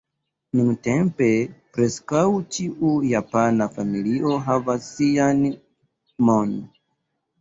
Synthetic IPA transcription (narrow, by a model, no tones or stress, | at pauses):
nũŋtɛmpepɾɛskaut͡ʃiʔujapanafamiliɔɦavasian | mɔn